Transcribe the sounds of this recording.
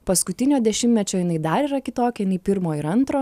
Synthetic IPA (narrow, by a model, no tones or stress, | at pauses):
pɐskʊt̪ʲɪnʲoːd̪ʲɛʃʲɪmʲɛt͡ʃʲoːjɪnɐɪd̪ɐɾiːɾɐkʲɪt̪oːkʲɛjɪnɐɪpʲɪɾmoːɪɾɐnt̪ɾoː